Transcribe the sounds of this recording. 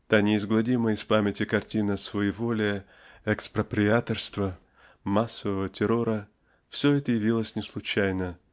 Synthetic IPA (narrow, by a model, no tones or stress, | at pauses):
t̪anʲɪɪzɡlˠɐdʲiməɪspamʲɪtʲɪkɐrtʲinəsvɐjivolʲɪ | ɛkspɾəpɾʲɪat̪ərst̪və | masːəvəvətʲɪɾo̞ɾə | fsʲɵɛt̪əjɪvʲilˠəsʲnʲɪslˠʊt͡ɕæjnə